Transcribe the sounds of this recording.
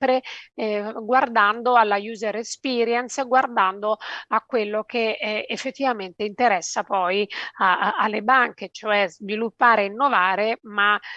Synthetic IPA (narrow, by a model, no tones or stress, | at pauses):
pɾe | ɡward̪and̪oalːajuːzerespiːɾjɛnsɡward̪and̪oakːwelːok̟eefːet̪ːivament̪eint̪eɾɛsːapɔjaalːebaŋket͡ʃoɛzvilupːaːɾeinːovaːɾema